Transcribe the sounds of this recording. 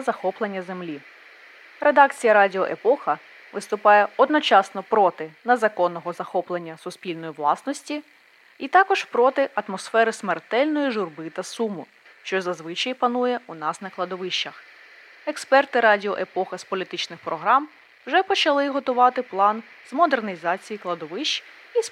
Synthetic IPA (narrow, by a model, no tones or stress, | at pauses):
zɐxɔplˠenʲːɐzemlʲi | re̞d̪ɑk̚t͡sʲijɐɾɑdʲɪɔʔepɔxɐ | ʋɪst̪ʊpɑjɛɔd̪nɔt͡ʃɑsnɔpɾɔt̪ɪnɐzɐkɔnːɔɦɔzɐxɔplˠenʲːɐsʊspʲilʲnɔjiʋlˠɑ̰snɔsʲtʲi | it̪ɑkɔʒpɾɔt̪ɪʔɐt̪mɔsfɛɾɪsmert̪ɛlʲnɔjiʒʊrbɪt̪ɐsumʊ | ʃt͡ʃɔzɐzʋɪt͡ʃɐjpɐnujɛunɑsnɐklˠɐd̪ɔʋɪʃt͡ʃːɐx | ekspɛrt̪ɪɾɑdʲiɔʔepɔxɐspɔlʲit̪ɪt͡ʃnɪxpɾɔɦɾɑm | wʒɛpɔt͡ʃɐlˠɪɦɔt̪ʊʋɑt̪ɪplˠɑn | zmɔd̪ernʲizɑt͡sʲijiklˠɐd̪ɔʋɪʃt͡ʃ | i